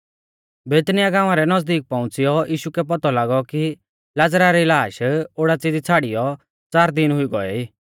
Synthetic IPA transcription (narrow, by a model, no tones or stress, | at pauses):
beːt̪nɪjaɡãːʋ̃ãɾɛnɐzd̪iːk̚pãʊ̃t͡sijɔjiːʃukɛp̬ɐt̪ɔlaːɡɔki | lad͡zɾaɾɛilaːʃoːɽat͡sɪd͡zit͡sʰaːɽɪjɔ | t͡saːɾd̪ɪnɦʊiɡɔɛ̰iː